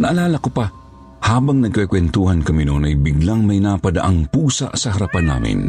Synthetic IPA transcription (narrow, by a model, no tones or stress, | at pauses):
nɐʔːlaːlɐkopa | haːbɐŋnɐɡ̚kɛkwɛnt̪uːhɐnkɐminonɐjbɪɡlaŋmɐjnaːpɐd̪ɐ̰ʔaŋpuːsa̰ʔsɐɦɐɾapanːa̰ːmɪ̰n